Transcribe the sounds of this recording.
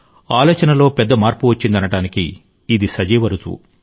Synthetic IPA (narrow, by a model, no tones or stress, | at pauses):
aːlɔːt͡ʃɐnɐlo̞ːpɛd̪ːɐmaːɾpuʋɐt͡ʃːind̪ɐnɐʈaːnikiː | d̪isɐd͡ʒɛːʋɐɾut͡ʃṵ